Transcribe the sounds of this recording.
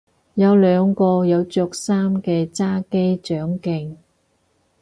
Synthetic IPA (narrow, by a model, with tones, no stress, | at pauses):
jɐ˨˧wlœː˨˧ŋkɔː˧jɐ˨˧wt͡ʃœː˧k̚saː˥mkɛː˧t͡saː˥ke˥jt͡ʃœː˨˥ŋkɪ˧ŋ